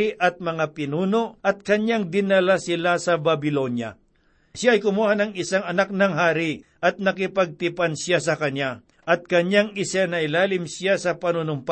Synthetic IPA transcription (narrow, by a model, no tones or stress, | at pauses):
ɪʔɐt̪̚mɐŋapɪnuːnoʔʔɐt̪̚kɐɲjaŋd̪ɪnɐlasɪlasɐbɐbɪlonjɐa̰ | ʃjaɐjkʊmuːhanɐŋɪsaŋɐnak̚nɐŋɦaːɾɪʔɐt̪̚nɐkɪpɐɡ̚t̪ɪpansjasɐkɐɲja | ʔɐt̪̚kɐɲjaŋɪsanɐʔɪlaːlɪmsjasɐpɐnunʊmp